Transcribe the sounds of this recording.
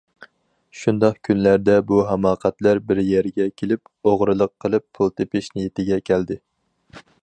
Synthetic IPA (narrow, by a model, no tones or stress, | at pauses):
ʃund̪ɑqkʲʰynlæɾd̪ɛbuɦɛmɑːqʰæt̪læɾbɪɾjɛɾɡʲɛkʲʰelɪp | oʁɾɨlˠəqʰːəlˠɨpʰːulˠt̪ʰepɪʃnijet̪ʰɪɡʲɛkʲʰæld̪ɪ